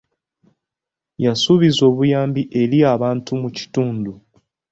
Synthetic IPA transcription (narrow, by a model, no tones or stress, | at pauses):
jasuβizo̞ːβujaːmbiʔe̞ɾiaːβaːntumuci̥tuːndu